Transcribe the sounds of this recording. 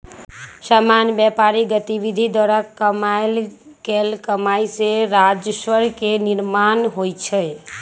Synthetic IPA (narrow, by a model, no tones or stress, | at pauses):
samanjbjɛpaɾiɡət̪ibid̪ʱid̪wəɾəkːəmal | ɡelkəmajseɾad͡ʒəswəɾkeniɾmanɦojt͡ʃʰə